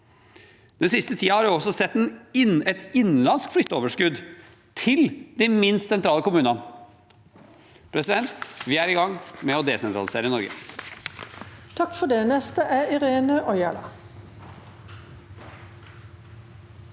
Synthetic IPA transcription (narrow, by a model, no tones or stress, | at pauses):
d̪̥ɛnsɪst̪ət̪ʰiːɑhɑɾʉɔsɔsɛt̪ːɛnɪɛt̪ɪn̩lɑnskflʏt̪ːəoːʋəʂkʉd̪ | t̪ʰɪld̪æmɪnst̪sɛnt̪ɾɑːləkʊmʉːnɑn | pʰɾɛsɪd̪ɛnt̪ʋɪːæɾɪɡɑŋːmɛɔd̪ɛsɛnt̪ʰɾɑlɪseːɾənɔɾɡə̰ | t̪ʰɑkfɔɖ̪eːnɛst̪əʔæɪʁeːnəʔɔʏɑ̰lɑ̰